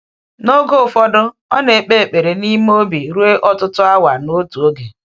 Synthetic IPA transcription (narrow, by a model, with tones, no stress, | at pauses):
no˦ɡo˦˨fɔ˦dʊ˦ | ɔ̰˦ne˨k͡pe˦˨k͡pe˨ɾe˨ni˦m˦o˦bi˨ɾu˦e˦ʔɔ˦tʊ˦tʊ˦a˦wa˨no˦tu˨o˦ɡe˨